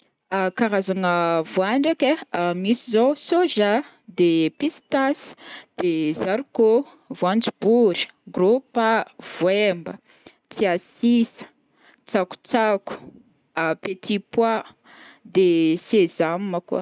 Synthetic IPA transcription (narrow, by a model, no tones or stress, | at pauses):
akaɾazaŋəvuaɳɖ͡ʐakʲemisizosoʒa | d̪epist̪asi̥d̪̥ezaɾiko | vuand͡zibuɾi̥ɡrupəv̥wembə | t͡siasisə̥ | t͡saku̥t͡saku̥ | pet̪ʰipwa | d̪esezamːəkṵ